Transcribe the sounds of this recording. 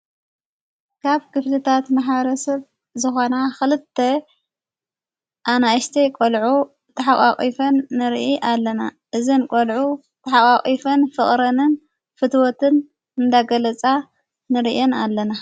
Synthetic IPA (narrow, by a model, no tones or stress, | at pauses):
kʰaβkɨflɨt̪ʰat̪maħβɐɾɐsɐβ | zɨxo̞naxɨlɨt̪ʰːɐ | ʔanaʃt̪ʰɐjkʼolʕu | t̪ʰɐħakʼa̰χʼifɐnːɨɾʔiʔalːɐna | ʔɨzinkʼolʕu | t̪ʰɐħakʼakʼifɐnfɨχʼɾɐnɨn | fɨt̪wot̪ʰɨn | ɨnd̪aɡɐlɐt͡sʼa | nɨɾiʔionalːɐna